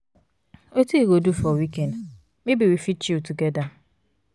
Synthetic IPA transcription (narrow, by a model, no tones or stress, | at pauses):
otuiɡodufɔwikɛnd | mibiwifit͡ʃituɡɛda